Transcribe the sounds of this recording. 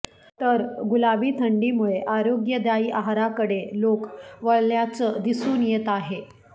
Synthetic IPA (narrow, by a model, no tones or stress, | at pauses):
t̪əɾɡulaʋiːt̪ʰəɳɖiːmuɭeʔaɾoɡjəd̪jaiːʔaɦaɾakəɽelokʋəɭljat͡səd̪isuːnjet̪aɦe